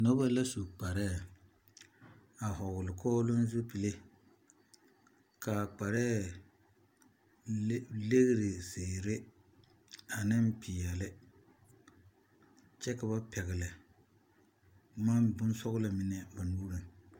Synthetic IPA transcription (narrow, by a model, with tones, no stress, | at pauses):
nɔ˦ba˦la˦su˨k͡pa˨ɾɛː˦˨ | a˨hɔ˨ɣʊ˨lɪ˨kʰɔː˦lʊ˦n˦zo˦pi˨le˦ | ka˨k͡pa˨ɾɛː˦ | le˦ɣɪ˦ɾɪ˨seː˨ɾɪ˦ | a˨nɪ˦mpi˨jɛ˨lɪ˦ | t͡ʃɛ˦ka˨ba˦pɛ˨ɣɪ˨lɪ˨ | ma˦nbʊ˦n˦sɔ˦ɣʊ˦la˨mɪ˨nɛ˨ba˨nuː˦ɾɨ˨ŋ